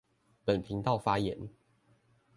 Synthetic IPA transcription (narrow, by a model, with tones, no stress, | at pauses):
pə˨˩npʰi˨˦ŋt̪ɑ˥˨ʊfa˦˥jɛ˧˦n